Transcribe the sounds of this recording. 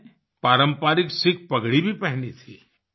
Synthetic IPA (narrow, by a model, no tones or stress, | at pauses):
paːɾə̃mpaːɾɪksɪk̚ʰpɐɡɽibʱipɛɦnit̪ʰiː